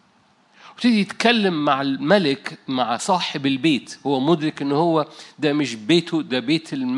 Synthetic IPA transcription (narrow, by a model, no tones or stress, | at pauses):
wɪt̪ɪd̪ijɪt̪kælːɪmːaʕalmælɪkmaʕsˤɑːħɪbɪlbeːt̪howːæmʊd̪ɾɪkʔɪnːhowːæd̪æmɪʃbeːt̪ʊd̪æbeːt̪ɪlm